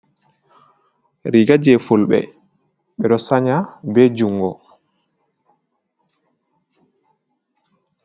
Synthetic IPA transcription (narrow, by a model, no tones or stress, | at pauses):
ɾiɡad͡ʒɛfulɓɛ̰ | ɓɛɗɔsaɲabɛd͡ʒuŋɡɔ